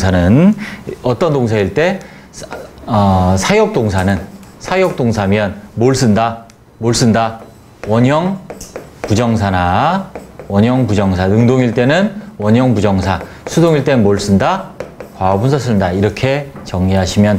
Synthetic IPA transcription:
anɯnʌt͈ʌndoŋs̬ʰaiɭt͈e̞ | ʌsʰajʌk̚t͈oŋsʰanɯnsʰajʌk̚t͈oŋsʰamjʌnmoɭs͈ɯnda | moɭs͈ɯnda | wʌɲʌŋ | pud͡ʑʌŋs̬ʰana | wʌɲʌŋpud͡ʑʌŋsʰanɯŋdoŋiɭt͈e̞nɯnwʌɲʌŋpud͡ʑʌŋsʰa | sʰudoŋiɭt͈e̞nɯnmoɭs͈ɯndakwaʌbunsʰʌs͈ʰɯndaiɾʌkʰe̞t͡ɕʌŋɲiɦaɕʰimjʌn

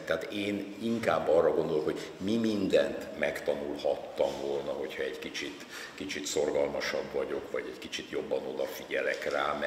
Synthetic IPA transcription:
t̪ɛɦaːt̪eːniŋkaːbːɒrːɒɡo̞nd̪o̞loho̞ɟ | mimind̪ɛnt̪mɛkt̪ɒnulhɒt̪ːɒɱvolnɒɦo̞chɒɛckit͡ʃit̪ | kit͡ʃit̪so̞rɡɒlmɒʃɒbːɒɟo̞kvɒɟɛckit͡ʃit̪jo̞bːɒno̞d̪ɒfiɟɛlɛkraːmɛ

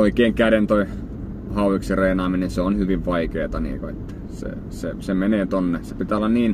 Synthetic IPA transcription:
oikeːŋkæɾent̪oi | hɑuʋiksireinɑːminenseonhyʋiʋʋɑikeːt̪ɑnḭːkoḛt̪ːæ̥ | sḛ | sḛsemeneːt̪onːesepit̪æːolːɑnniːn

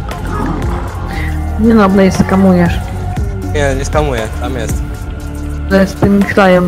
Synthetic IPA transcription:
ɲɛnɔblɛjiskamujɛʂʲ | ɛnʲɛskamujɛt̪amjɛsʲtʲ | lɛst̪ɨmʲixlajɛm

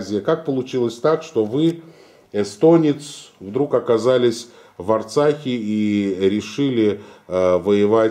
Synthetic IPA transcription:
zʲɪjəkak̚pəlˠʊt͡ɕilˠəsʲt̪akʂt̪o̞vɨ | ɛst̪o̞nʲɪt̪svd̪ɾukɐkazalʲɪsʲ | vɐrt̪saxʲɪiɾʲɪʂɨlʲɪ | vəjɪva

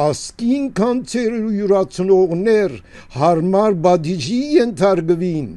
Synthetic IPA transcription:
ɑskinkʰɑnt͡sʰɛɾujuɾɑt͡sʰənɔʁnɛɾ | hɑrmɑɾbɑd̪id͡ʒijɛnt̪ʰɑɾkəvin

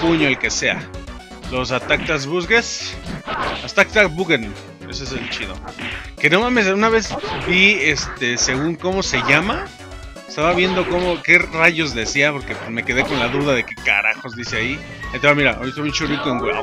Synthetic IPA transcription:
puɲoalke̞se̞a̰ | lo̞s̬at̪ak̚t̪azβuzɣes | ast̪ak̚t̪abuɣen | ḛsoes̬elt͡ʃiðo̞̰ke̞no̞mãme̞s̬unaβe̞zbiest̪e̞se̞ɣuŋko̞mo̞se̞ʝama | est̪aβaβje̞nd̪o̞ko̞moke̞raʝo̞zðe̞siapo̞ɾke̞pme̞ke̞ð̞e̞ko̞nlaðuðaðe̞keka̰ɾa̰xo̞zd̪ise̞ai | et̪eβamiɾa̰ʔojst̪omut͡ʃorikoeŋɡwa

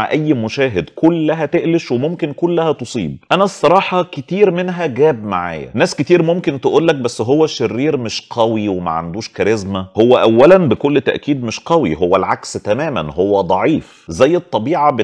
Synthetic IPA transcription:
ʕa̰ʔæjːmoʃæːɦed̪kʰolːæɦæt̪eʔleʃwemomkenkolːæhæt̪osˤḭːb̚ʔænæsˤːɑɾˤɑːħɑket̪iːɾmenɦæɡæːbmaʕa̰ːjæ̰næːsket̪iːɾmomkent̪eʔuːlːæk̚bæsːɦowːæʃerːiːɾmeʃqʰɑwiwemæ̰ʕa̰nd̪uːʃkæɾezmæhowːæʔæwːælænbekolːt̪æ̰ʔkiːd̪meʃqɑwḭɦowːælʕakst̪æmæːmænhowːæd̪ˤɑʕiːf | zæjːet̪ˤːɑbiːʕɑbe

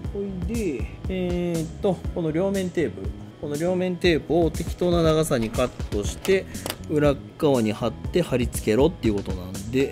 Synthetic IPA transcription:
oid̪e̞ | t̪ːo̞ko̞no̞ɾʲo̞ːmẽ̞nt̪e̞ːpɯ̟ | ko̞no̞ɾʲo̞ːmẽ̞nt̪e̞ːpɯ̟ot̪e̞kʲi̥t̪o̞ːnanaɡasaɲ̟ikat̪ːo̞ɕi̥t̪e̞ɯ̟ɾakːaβaɲ̟ihat̪ːe̞haɾʲit͡sɨ̥ke̞ɾo̞t̪ːe̞iɯ̟ko̞t̪o̞nãnd̪e̞

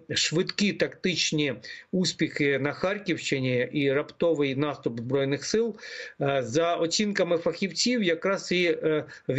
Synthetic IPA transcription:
ʃʋɪd̪kit̪ɐkt̪ɪt͡ʃnʲiuspʲixɪnɐxɑrʲkʲiwʃt͡ʃɪnʲiʔiɾɐpt̪ɔʋɪjnɑst̪ʊpzbɾɔjnɪxsɪlˠ | zɐɔt͡sʲinkɐmɪfɐxʲiwt͡sʲiwjɐkɾɑsi | ʋʲ

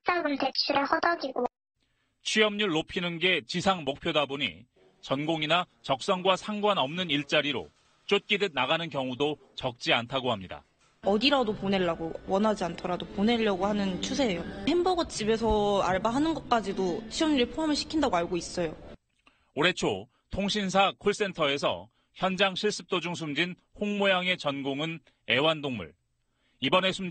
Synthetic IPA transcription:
s͈aɡɯɭtek̚t͡ɕʰiɾehʌdʌɡiɡo | t͡ɕʰɥijʌmɲuɭːopʰinɯnɡe̞t͡ɕisʰaŋmok̚pʰjodaboɲḭ | t͡ɕʌnɡoŋinat͡ɕʌk̚s͈ʌŋɡwasʰaŋɡwanʌmnɯniɭt͡ɕ͈aɾiɾo̰ | t͡ɕ͈ot̚k͈idenaɣanɯnkjʌŋudo | t͡ɕʌk̚t͡ɕ͈iantʰaɡohamɲida̰ | ʌdiɾadopone̞ɭːaɡowʌnɦad͡ʑiantʰʌɾadopone̞ʎːʌɡohanɯnt͡ɕʰusʰe̞ːjohembʌɡʌt͡ɕ͈ibe̞sʰʌaɭbaɦanɯnɡʌt̚k͈ad͡ʑidot͡ɕʰiʌmɲiɾipʰoɦamɯɭɕʰi̥kʰindaɡoaɭɡois͈ʌjo | oɾe̞t͡ɕʰo | tʰoŋɕʰinsʰakʰuɭs͈e̞ntʰʌe̞sʰʌ̰ | çjʌnd͡ʑaŋɕʰiɭs͈ɯ̥p̚t͈od͡ʑuŋsʰumd͡ʑinhoŋmojaŋe̞t͡ɕʌnɡoŋɯn | e̞wandoŋmṵɭ | ibʌne̞sʰum

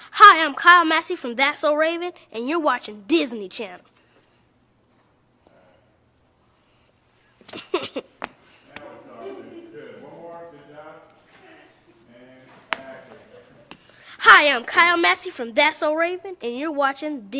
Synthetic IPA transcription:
haɪãɪ̃mkʰaɪlˠmæsifɹʌ̃mðætsoʊɹeɪvɨ̃nʔɨ̃njə˞wɑt͡ʃɪ̃ŋdɪzn̩it͡ʃʰænl̩ˠ | haɪãɪ̃mkʰaɪl̩ˠmæsifɹʌ̃mðætsoʊɹeɪvɨ̃nɨ̃njə˞wɑt͡ʃɪ̃ŋd

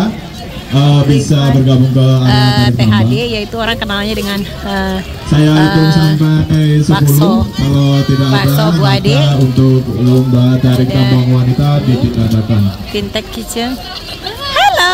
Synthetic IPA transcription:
əbisabərɡabuŋkəaɾad̪aɾɪk̚t̪ambajait̪uoɾaŋkənalɲadəŋan | ə | sajait̪ʊŋsampasəp̬ulʊhkalowt̪idakadahakaunt̪ʊk̚ləmbaɦat̪̚daɾikət̪ambaŋwanit̪adipikad̪akant̪int̪ɛkkit͡ʃə | hala

